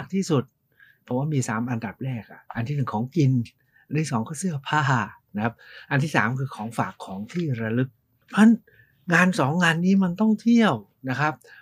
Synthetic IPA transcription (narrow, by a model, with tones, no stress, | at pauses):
k̚t̪ʰiː˥˩su˨˩t̪̚ | pʰɔː˨˦waː˥˩miː˧saː˩˦mʔa˧nda˨˩p̚ɾɛː˥˩k̚ʔa̰˨˩ʔa˧nt̪ʰiː˥˩nɯ˨˩ŋkʰɔː˩˦ŋki˧n | ʔa˧nt̪ʰiː˥˩sɔː˩˦ŋkʰɔː˥˩sɯ˥˩ɐpʰaː˧˥˩a˧˩na˦˥kʰa˦˥p̚ʔa˧nt̪ʰiː˥˩sa̰ː˩˦mkʰɯː˧kʰɔː˩˦ŋfaː˨˩kʰːɔː˩˦ŋt̪ʰiː˥˩ɾa˧lɯ˦˥k̚ | pʰa˦˥n | ŋaː˧nsɔː˩˦ŋːaː˧nːiː˦˥ma˧nt̪ɔ˥˩ŋt̪ʰi˥˩əw | na˦˥kʰa˦˥p̚